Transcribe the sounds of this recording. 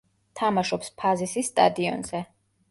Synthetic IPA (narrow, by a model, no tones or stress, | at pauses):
t̪ʰamaʃɔpspʰazisisːt̪ʼa̰d̪iɔ̰nz̥ɛ